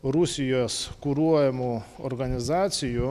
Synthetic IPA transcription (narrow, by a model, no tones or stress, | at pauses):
ɾʊsʲɪjoːskuɾuɔjɛmuːo̰ɾɡɐnʲɪzɑːt̪sʲɪju